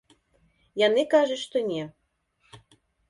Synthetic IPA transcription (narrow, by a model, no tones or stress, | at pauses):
jɑnekɑʒeʃt̪onʲe